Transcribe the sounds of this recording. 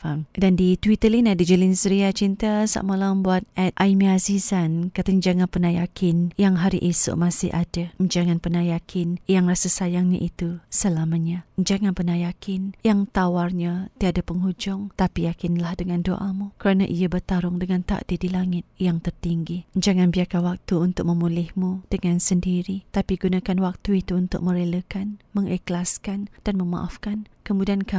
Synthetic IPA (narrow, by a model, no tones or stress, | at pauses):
famdandit̪wit̪əlinadid͡ʒəlɪnsəɾiat͡ʃint̪asa̰ʔməlaəmbuat̪̚ɛt̪̚ʔaimiazizankat̪aɲad͡ʒaŋanpənajakʰɪnjaŋɦaɾḭʔesʊ̰ʔmasɪ̰hʔadaɲd͡ʒaŋanpənajakʰɪnjaŋrasasajaŋɲa̰ʔit̪usəlamaɲaɲd͡ʒaŋanpənajakʰɪnjaŋt̪awarɲat̪iadapəŋɦud͡ʒʊŋt̪apijakɪnlahdəŋãndo̰ʔamukəɾanaʔijabərt̪aɾʊŋdəŋãnt̪a̰ʔdidilaŋɪt̪̚jaŋt̪ərt̪iŋɡid͡ʒaŋanbiakanwak̚t̪uunt̪ʊk̚mə̃mulɪhmud̥əŋansəndiɾit̪apiɡunakanwak̚t̪uit̪uunt̪ʊ̰k̚mə̃ɾeləkanməŋiklaskand̥anməma̰ʔafkankəmudianka